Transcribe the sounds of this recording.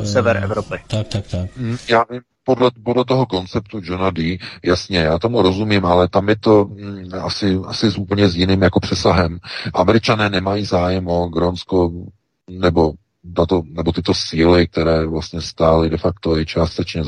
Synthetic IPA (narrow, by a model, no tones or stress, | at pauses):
sɛvɛɾʔɛ̰vɾopɪa | jaːvim | podlɛpodlɛt̪̬o̞ɦo̞ko̞nt͡sɛp̚t̪ud͡ʒonadiːjasɲɛjaːt̪o̞muɾo̞zumimʔalɛt̪amjɛt̪o̞asɪʔa̰sɪzupl̩ɲɛzjɪniːmjako̞pr̥ɛsaɦɛmʔamɛɾɪt͡ʃanɛːnɛmajiːzaːjɛmoɡɾonsko | nɛbo̞ | t̪at̪onɛbot̪ɪt̪o̞siːlɪk̚t̪ɛɾɛːvlast̪ɲɛst̪aːlɪdɛfak̚t̪oɛt͡ʃaːst̪ɛt͡ʃɲɛz